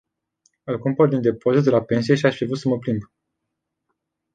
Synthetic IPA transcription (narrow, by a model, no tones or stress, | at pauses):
ɨlkumpərd̪ind̪e̞po̞zit̪d̪elape̞ns̬ije̞ʃiaʃpfɾivɾut̪səməpɾimb